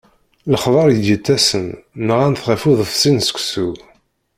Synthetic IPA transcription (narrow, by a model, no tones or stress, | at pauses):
ləχðˤɑɾˤjəd̪jət̪ːæsənməʁænθʁæfuðˤəfsinsə̥kʷsu